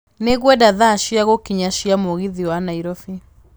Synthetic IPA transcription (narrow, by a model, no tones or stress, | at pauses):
neɣwɛdaðaʃiaɣokiɲaʃiamoɣiðiwanaiɾɔfi